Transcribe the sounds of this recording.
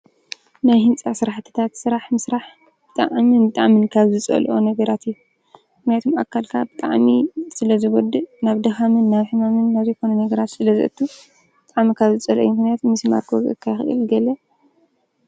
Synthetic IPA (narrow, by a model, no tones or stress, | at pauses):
najhɨnt͡sʼasɨɾaħt̪ʰɨ̥t̪ʰat̪sɨɾaħmɨsɾaħ | b̥ɨt̪ʼa̰ʕmɨnbɨt̪ʼaʕmɨnkʰaβzɨt͡sʼɐ̰lʔonɐɡɐɾat̪ʰijːu | mɨknijat̪ʰoma̰kʰːalkʰabɨt̪ʼaʕmisɨlɐzɨɡɔd̪ɨnaβd̪ɐxamɨnːaβħɨmamɨnːaβzejkʰo̞nɐnɐɡɐɾat̪sɨlɐzɨ̰ʔɨ̰t̪ʰːu | b̥ɨt̪ʼaʕmikʰaβzɨt͡sʼɐlʔo̰jumɨknijat̪ʰomːisima̰ɾkʰozʔɨ̰kʰːajxɨʔɨ̰lɡɐlɐ